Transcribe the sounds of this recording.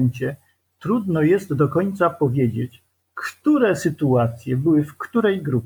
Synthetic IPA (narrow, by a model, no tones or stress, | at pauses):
ɲt͡ɕɛ | t̪ɾud̪nɔjɛst̪d̪ɔkɔɲt̪sapɔvʲjed͡ʑet͡ɕ | kt̪uɾɛsɘt̪uat̪sʲjɛbɘwɘfkt̪uɾɛjɡɾupʲ